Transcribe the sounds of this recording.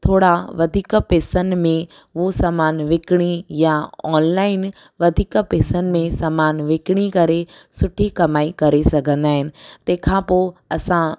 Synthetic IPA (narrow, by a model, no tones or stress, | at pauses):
t̪ʰoːɽaʋɐd̪ʱiːkpeːsənmẽ | ʋosaːmaːnʋɪkɽ̃ijaɔːnlaːɪn | ʋɐd̪ʱiːkpeːsənmẽsaːmaːnʋɪkɽ̃ikɐɾesʊʈʰikɐmaːikɐɾesɐɡʱə̃nd̪aːɦɪnɪ̆t̪eːkʰãpoːɐsã